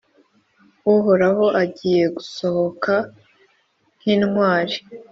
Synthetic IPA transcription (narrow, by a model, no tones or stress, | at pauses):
uɦoɾaɦo̞ʔaɟiːje̞ɡuso̞ho̞ka | n̥hiːnŋwaːɾi